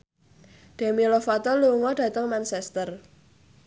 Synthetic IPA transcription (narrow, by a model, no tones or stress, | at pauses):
ɖ̪̥e̤milɔfat̪ɔluŋɔɖ̥ä̤t̪əŋmansɛst̪ər